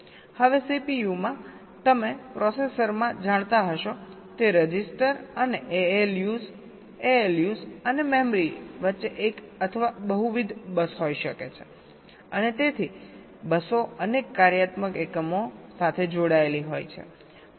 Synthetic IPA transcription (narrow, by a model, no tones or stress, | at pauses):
həʋesipijumã | t̪əmepɾɔsesəɾmãd͡ʒaɽ̃t̪aɦəʃo | t̪eɾəd͡ʒisʈəɾəneʔeeljuz | eeljuzənemɛmɾiʋətːʃeʔekət̪ʰəʋabəɦuʋid̪ʱbəsɦojʃəkḛt͡ʃʰe | ənet̪et̪ʰi | bəsoənekːaɾjat̪məkekəmosat̪ʰed͡ʒoɽaeliɦojt͡ʃʰḛ